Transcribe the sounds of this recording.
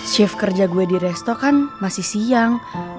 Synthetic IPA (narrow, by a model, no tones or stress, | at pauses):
ʃɛfkərd͡ʒaɡuɛdiɾɛst̪ɔkanmasihsijaŋ